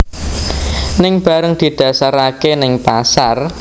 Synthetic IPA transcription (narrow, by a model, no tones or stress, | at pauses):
nɪŋb̥a̤ɾəŋd̪̥i̤d̪̥ä̤saɾakenɪŋpasar